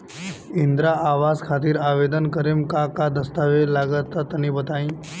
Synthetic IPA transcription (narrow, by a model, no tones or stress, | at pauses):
ind̪ɾaaʋaskʰat̪iːɾaʋed̪ənkəɾemkakad̪əst̪aʋelaɡət̪ːat̪ɐnibət̪aĩ